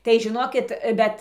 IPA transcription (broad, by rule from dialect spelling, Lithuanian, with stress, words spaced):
tɐɪ ʒʲɪˈnoːkʲɪt ˈbʲɛt